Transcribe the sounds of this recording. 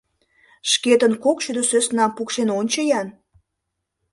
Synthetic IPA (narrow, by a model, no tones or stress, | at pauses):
ʃket̪ənkokʃyd̪øsøsnɑpukʃenonʲt͡ɕəjɑn